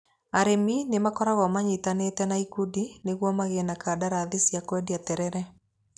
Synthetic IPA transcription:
aɾeminemakɔɾaɣɔmaɲitanetɛnaikudineɣwɔmaɣenakadaɾaðisjakwɛdiatɛɾɛɾɛ

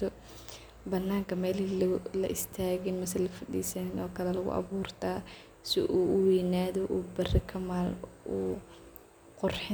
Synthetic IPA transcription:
ɔ | bɐnːaːŋkʰɐmɛːlilɐ̰ʔɪst̪ʰaːɣɪnmɐs̬ɐlɐfɐɗḭːsɐnnɔːkʰɐlɛlɐɣʊ̰ʔɑ̰βuːrt̪ʰaː | sɪ̰ʔuːʔʊwiːnaːðɔʔuːbɐrɪkʰɐmaːluː | qʊrħɪ

